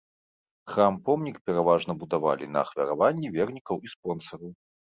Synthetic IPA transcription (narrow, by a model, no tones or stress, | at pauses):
xɾampɔmnʲikpʲɛɾavaʐnɐbud̪ava̰lʲḭnɐ̰ːxvʲɐɾavanʲːivʲɛrnʲikɐwʔispɔnsɐɾɐw